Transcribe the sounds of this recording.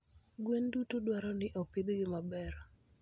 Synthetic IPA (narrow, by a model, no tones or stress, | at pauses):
ɡwendutudwaɾɔnɪʔɔpid̪ɡɪmabɛɾ